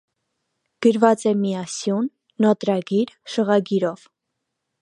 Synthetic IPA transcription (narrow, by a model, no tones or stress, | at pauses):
ɡ̥əɾvɑt͡sɛmiɑsjunː | ɔt̪ɾɑɡiɾʃəʁɑɡiɾɔv